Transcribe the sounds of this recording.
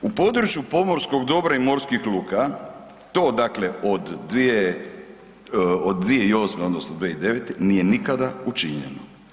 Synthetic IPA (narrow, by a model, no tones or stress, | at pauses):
upo̞d̪ɾut͡ʃjupo̞mo̞ɾsko̞ɡd̪o̞bɾaimo̞ɾskixluːka | t̪o̞ːd̪akle̞od̪ːʋie | od̪ʋie̞io̞smeod̪nosnod̪ʋieid̪e̞ʋet̪enije̞nikad̪aut͡ʃiɲḛno